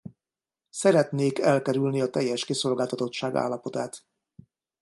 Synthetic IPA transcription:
sɛɾɛt̪neːkɛlkɛɾylniɒt̪ɛjːɛʃkeso̞lɡaːlt̪ɒt̪o̞t̪ʃaːɡa̰ːlːɒpo̞t̪aːt̪

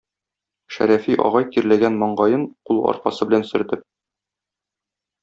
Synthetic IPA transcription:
ʃæ̰ɾæfiʔɒ̰ʁɑjk̪iɾlæɡænmɒɴɢɑjɤɴqulˠɒ̰ɾqɑ̰sɤbɘlænsɵ̆ɾt̪ɘp̚

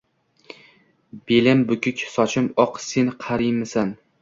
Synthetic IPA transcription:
b̥elɪmbʊkʰʲʊkʲsɒt͡ʃʰɪmɒqsenqʰaɾɪjmɪsan

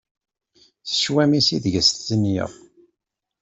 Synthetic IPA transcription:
θə̥ʃwæmisiðʝəstt͡sːənjə̰ʁ

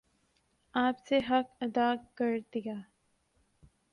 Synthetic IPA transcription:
aːpseɦɐkɐd̪akɐɾd̪ijaː

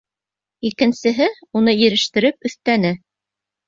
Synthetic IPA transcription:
ikɘ̆nsɘ̆ɦɘunɤjɘ̆ɾɘ̆ʃt̪ɘ̆ɾɘp̚ɵ̆θt̪ænɘ

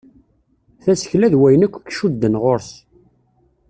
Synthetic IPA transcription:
θæsə̥çlæðwæjənækʷːkʃud̪ːənʁoɾs

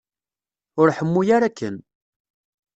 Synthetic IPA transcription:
ʊɾħəmːujaɾakːə̰n

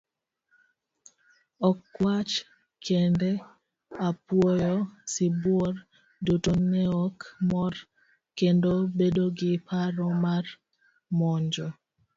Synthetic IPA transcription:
ɔkːwat͡ʃ | kʰende | apwɔjɔsɪbwɔr | dotonɛɔkmɔr | kendobedoɡɪpʰaɾɔmar | mɔɲd͡ʒɔ

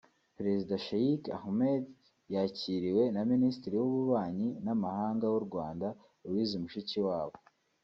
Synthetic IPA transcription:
pɾe̞zidaʃajika̰hmed | jaciːɾiwe̞naministiɾiwuβuβaːɲinamahaːŋɡawuɾɡwaːnda | wiːzumuʃiciwaːβo

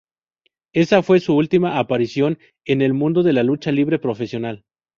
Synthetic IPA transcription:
e̞safwe̞suult̪imaʔːpaɾisjo̞n | e̞ne̞lmũnd̪oðe̞lalut͡ʃaliβɾe̞pɾo̞fe̞sjo̞nal

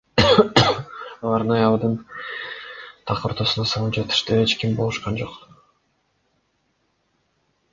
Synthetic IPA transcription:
ɑlˠɑɾɑjɑlˠd̪ɯn | t̪ʰɑqoɾt̪osunɑsɑlˠpd͡ʒet̪i̥ʃt̪yet͡ʃkimbolˠuʃqɑnd͡ʒo̞q

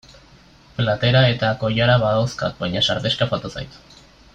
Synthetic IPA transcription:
plat̪e̞ɾae̞t̪ako̞jaɾaβaðawska̰t̪̚bajɲasaɾðe̞ʃkafat̪osa̰jt̪

